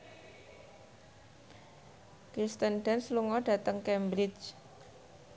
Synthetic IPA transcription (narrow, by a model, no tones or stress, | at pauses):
kɾist̪ənɖ̥ɛnsluŋɔɖ̥ä̤t̪əŋkɛmbɾɪt͡ʃ